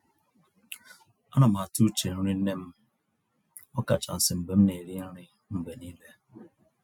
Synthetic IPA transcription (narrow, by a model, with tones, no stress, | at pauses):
a˦na˨m̩a˨a˨tu˦t͡ʃe˨ɾu˦ɾi˦ne˦m̩˦ | ɔ˦ka̰˨t͡ʃa̰˨n̩˨sɪ˨m̩˨ɡ͡be˨m̩˦ne˨ɾi˦ɾɪ˦ | m̩˦be˨niː˦le˦